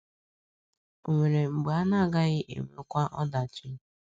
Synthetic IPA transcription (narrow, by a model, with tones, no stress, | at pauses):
o˨ŋʷe˨ɾe˨ŋ͡m̩˨ɡ͡ba˦na˦˨ɡa˦ɣɪ˦ʔḛ˨me˨ɾkʷa˦ʔɔ˦da˨t͡ʃi˦